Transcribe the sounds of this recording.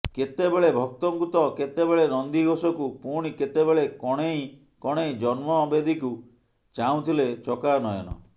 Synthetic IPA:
ket̪ebeɭebʱɔk̚t̪ɔŋkut̪ɔket̪ebeɭenɔnd̪iɡosɔkupuɽ̃iket̪ebeɭekɔɽ̃ej | kɔɽ̃ejd͡ʒɔnmɔːbed̪iku | t͡ʃaw̃t̪ʰilet͡ʃɔkanɔjɔ̰nɔ̰

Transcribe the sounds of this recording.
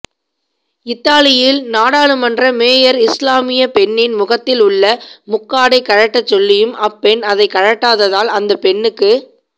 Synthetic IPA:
ɪt̪ːaːlɪjɪlnaːɽaːɭɯmɐndrɐmeːjɐɾɪslaːmɪjɐpɛɳːɪnmʊɣɐt̪ːɪlʊɭːɐmʊkːaːɽɐɪkːɐɻɐʈːɐt͡ʃːɔlːɪjɯmʔɐpːɛnɐðɐɪkɐɻɐʈːaːðɐðaːlɐnd̪ɐpɛnːɯkːɯ

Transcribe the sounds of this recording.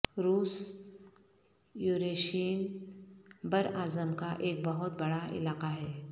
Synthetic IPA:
ɾuːs | juːɾeːʃiːən | bɐɾaːzəmkaʔeːk̚bɐɦʊt̪̚bɐɽaʔɪ̰laːqaɦɛː

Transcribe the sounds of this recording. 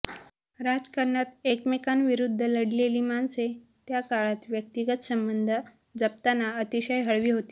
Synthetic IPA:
ɾad͡zkəɾɳjat̪ekmekanʋiɾud̪ʱːələɽleliːmanse | t̪jakaɭat̪ʋjək̚t̪iɡət̪səmbənd̪ʱə | d͡zəp̚t̪anaət̪iɕajɦəɭʋiːɦot̪i̥ː

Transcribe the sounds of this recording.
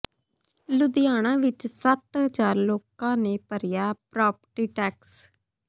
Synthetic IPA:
lʊd̪ɪjaːɽ̃ãːʋɪt͡ʃsət̪ɦəd͡ʒaːɾloːkãːneːpəɾɪjaːpɾaːpəʈiːʈɛːks

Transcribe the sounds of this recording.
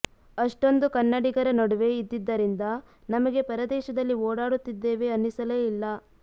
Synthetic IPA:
ɐʂʈo̞nd̪ukɐnːɐɽiɡɐɾɐnɐɽuʋe̞id̪ːid̪ːɐɾind̪ɐ | nɐmɐɡe̞pɐɾɐd̪ɛːʃɐd̪ɐlːioːɽaːɽut̪ːid̪ːe̞ːʋe̞ɐnːisɐleːilːɐ

